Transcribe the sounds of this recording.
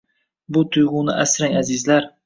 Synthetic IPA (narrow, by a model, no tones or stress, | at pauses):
bʊt̪ʰʊjʁʊnɪʔasɾaŋazɪzlaɾ